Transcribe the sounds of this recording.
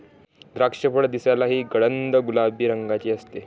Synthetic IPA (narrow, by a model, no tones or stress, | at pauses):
d̪ɾakʂəpəɽd̪isalaɦiːɡəɽənd̪əɡulabʱiːɾəŋɡat͡ɕiːəst̪e